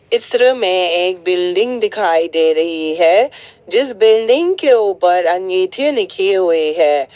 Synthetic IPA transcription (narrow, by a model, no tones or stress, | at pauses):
ɪsɾəmẽeːk̚bɪlɖɪ̃ŋɡd̪ɪkʰaːid̪eːɾɐɦiɦɛːd͡ʒɪsbɪlɖɪ̃ŋɡkeuːpəɾɐ̃ŋɡiːt̪ʰinɪkʰiɦʊeɦɛː